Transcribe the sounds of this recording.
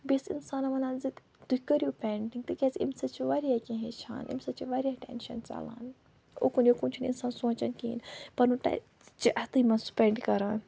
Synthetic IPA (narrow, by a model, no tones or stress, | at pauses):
bisḭnsaːnɐʋɐnaːnzit̪ | d̪ukɐɾijuːpʲeːɳʈiŋɡt̪ɨkʲeːt͡sḭmsɐt͡ʃʰiʋɐɾiaːkʲĩɦet͡ʃʰa̰ːnʔḭmsɐt͡ʃiʋɐɾiaːʈɛ̰ːnʃɐ̰nt͡sa̰ːla̰ːn | o̰kunjokũːnt͡ʃʰunḭnsaːnsõːt͡ʃɐnkḭːnpɐɾnuʈ | t͡ʃiʔɐt̪ɨmɐnsu̥peːɳɖkɐɾaːn